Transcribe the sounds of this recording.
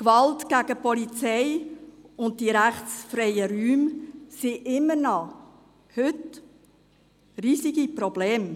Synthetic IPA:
kʋɑltɡ̥æɡəpɔlit͡sɛɪ | ʊnt̚diɾæχt͡sfɾɛɪəɾyːmsiʔɪmːəɾnɑ | hʏt | riːsiɡipɾɔbleːm

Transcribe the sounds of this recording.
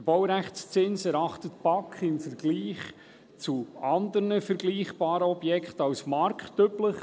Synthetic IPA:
əb̥ɔwɾæχst͡sɪnsɛɾɑχtət̪b̥ɑkχɪnfəɾɡliːχ | t͡suɑnd̪əɾnəfəɾɡliːχb̥ɑːɾəɔbjɛkχtɑwsmɑrkχtːøpləχ

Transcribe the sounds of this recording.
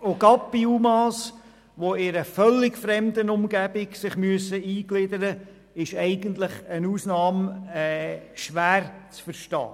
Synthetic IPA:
oɡɑpːiumɑs | ʋoɪɾəfœlːɪɡfɾɛmd̪ənʊmɡæb̥ɪksɪχmyəsəiːɡlɪd̪əɾə | ɪʃɛɪɡənt̪lɪχənuːsnɑːmɛʃʋæːɾt͡sfəɾʃtɑ̰ː

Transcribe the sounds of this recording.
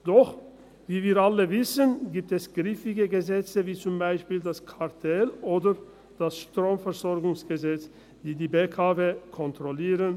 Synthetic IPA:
d̥ɔχ | viːviːɾaləvɪsənɡiːp̚tɛsɡ̥ʁifɪɡəɡəzɛt͡səviːt͡sʊmbaɪʃpiːldaskʰaɐtʰɛlʔoːdə | d̥asʃtʁ̥oːmfɛʁzɔʁɡʊŋsɡ̥əzɛt͡s | d̥iːdiːbekʰaːvekʰɔntʁ̥ɔliːʁən

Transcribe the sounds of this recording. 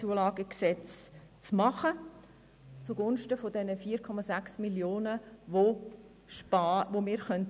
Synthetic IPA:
t͡suəlɑːɡ̥əksɛt͡s | t͡smɑχə | t͡suɡʊnʃtəfodɛnəfiːəɾkʰɔmɑsæksmiljoːnəʋo | ʃpɑːʋomiːɾχœnt

